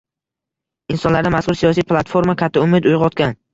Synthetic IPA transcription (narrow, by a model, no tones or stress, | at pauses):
ɪnsɒnlaɾd̪amaskʊɾsijɒsijplˠat̪foɾmakʲʰat̪ʰːaʊmɪd̪ʊjʁɒt̪kʲan